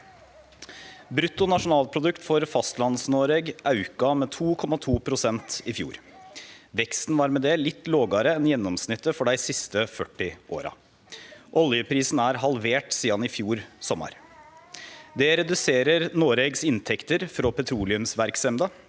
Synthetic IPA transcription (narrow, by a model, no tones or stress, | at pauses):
bɾʉt̪ːʊnɑʂʊnɑːlpʰɾʊd̪ʉkt̪fɔɾfɑst̪lɑnsnoːɾeːɡʔɑʉkɑmɛt̪ʰuːkʰɔmɑt̪ʰuːpʰɾʊsɛnt̪ɪfjṵːɾ | ʋɛkst̪n̩ʋɑːɾmɛd̪ɛlɪt̪ːloːɡɑɾəɛnjɛnːɔmsnɪt̪ːəfɔɖæɪsɪst̪əfœʈːɪʔo̰ːɾɑ̰ | ʔɔljəpʰɾiːsn̩æɾɦɑlʋeːʈsiːɑnɪfjuːɾsɔmːɑ̰ɾ | d̪ɛɾɛd̪ʉseːɾəɾnoːɾeɡsɪnt̪ʰɛkt̪əɾfɾɔpʰɛt̪ʰɾuːlɪʉmsʋæɾksɛmd̪ɑ